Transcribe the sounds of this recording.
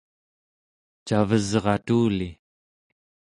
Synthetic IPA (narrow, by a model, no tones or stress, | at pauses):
t͡ʃavəzʁɑt̪uːli